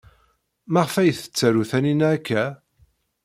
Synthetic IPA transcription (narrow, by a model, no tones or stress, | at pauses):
mæʁfæjθə̥t͡sːæɾuθæninækːæ